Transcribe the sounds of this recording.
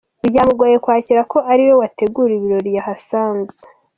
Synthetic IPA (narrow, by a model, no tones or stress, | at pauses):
uɾɟaːmuɡoːje̞kwaːciɾako̞ʔaɾiwo̞wate̞ɡuːɾiβiɾo̞ɾjahasaːnze̥